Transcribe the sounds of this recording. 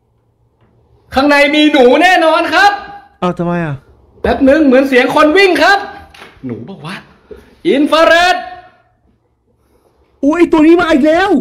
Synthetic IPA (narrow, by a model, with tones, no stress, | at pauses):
kʰa˥˩ŋna˧jmiː˧nuː˩˦nɛː˥˩nɔː˧nkʰa˦˥p̚ʔaː˨˩t̪ʰa˧˩ma˧jʔa˨˩ | bɛː˨˩˦p̚nɯ˧˥ŋmɯ˩˦ənsi˨˦əŋkʰo˧nwi˥˩ŋkʰa˦˥p̚nṵː˩˦bɔː˨˩k̚waː˦˥˩ʔ | ʔi˧nfʰaː˧ɾe˦˥t̪̚ | ʔoː˦ʔa˧˩jt̪u˧əniː˦˥maː˧ʔi˨˩k̚lɛː˦˥˩w